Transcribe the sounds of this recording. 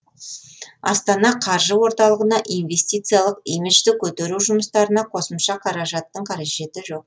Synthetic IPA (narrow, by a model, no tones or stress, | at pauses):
ɑ̰st̪ɑnɑqʰɑɾʒəwo̞ɾt̪ɑlˠəʁənɑʔijnve̞st̪ijt̪sɨjalˠəqijmiʃt̪ɪkʲʰɵt̪e̞ɾuʒʊməst̪ɑɾənɑqʰo̞səmʃɑqʰɑɾɑʒɑt̪ːəɴqʰɑɾeʒe̞t̪ɪʒo̞q̚